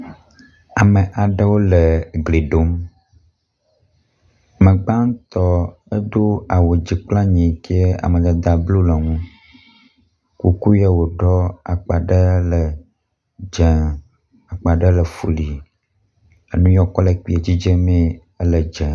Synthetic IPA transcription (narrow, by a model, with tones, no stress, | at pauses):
a˨mə˨ʔa˨ɖə˦wo˦lə˨ɡle˨ɖo˦m˨ | mə̃˨ɡ͡ba˦ŋ˦t̪ɔ˦e˦do˦a˨wo˨d͡ʑi˨k͡pla˦ɲĩ˨ki˦e˦a̰˨mə̃˨d̪a˦d̪a˨blu˦lə˨ŋũ˦ | ku˨ku˦ja˦wo˨ɖɔ˦a˨k͡pa˨ɖə˦lə˨ | d͡ʒɛ˨ | a˨k͡pa˨ɖə˦lə˨fṵ˦li˨ | e˨nũ˦jɔ˦kɔ˦le˨k͡pi˨e˨d͡ʑi˦d͡ʒe˦mĩ˦ | ə˦lə˨d͡ʒɛ˨